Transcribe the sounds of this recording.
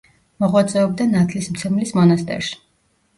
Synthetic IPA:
mɔʁwat̪sʼɛɔb̚d̪anat̪ʰlismt̪sʰɛmlismɔnast̪ʼɛ̰ɾʃi̥

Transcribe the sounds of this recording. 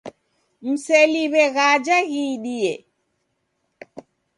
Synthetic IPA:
m̩sɛliβɛɣad͡ʒahiːɗijɛ

